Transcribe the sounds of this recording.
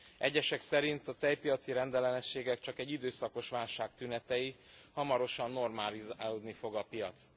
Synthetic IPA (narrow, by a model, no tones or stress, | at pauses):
ɛɟːɛʃɛksɛɾint̪ɒt̪ɛjpijɒt̪siɾɛnd̪ɛlɛnɛʃːeːɡɛk̚t͡ʃɒkɛɟːid̪øːsɒko̞ʃʋaːlʃaːkt̪ynɛt̪ɛji | hɒmɒɾo̞ʃɒnːo̞rmaːlizaːloːd̪nifo̞ɡɒpijɒt̪s